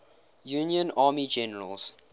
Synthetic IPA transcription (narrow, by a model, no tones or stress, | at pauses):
juːnjə̃nɑːmid͡ʒɛnəɹəlz̥